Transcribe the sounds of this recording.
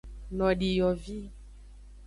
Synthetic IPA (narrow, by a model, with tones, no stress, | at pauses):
nɔ̃˨ɖi˨jɔ˨vi˦